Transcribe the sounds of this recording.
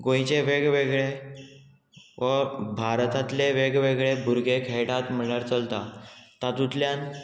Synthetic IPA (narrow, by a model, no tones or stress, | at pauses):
ɡõjt͡ɕeʋeɡʋeɡɭe | ʋəbʱaɾt̪at̪leʋeɡʋeɡɭebʱuɾɡʱekʰeɽat̪m̤əɭaɾt͡səlt̪at̪at̪ut̪ljan